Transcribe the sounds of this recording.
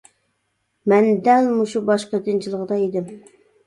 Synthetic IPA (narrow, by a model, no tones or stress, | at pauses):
mɛnd̪ɛlmuʃubɑʃqəd̪ɪnt͡ʃʰilˠəʁd̪ɑid̪ɪm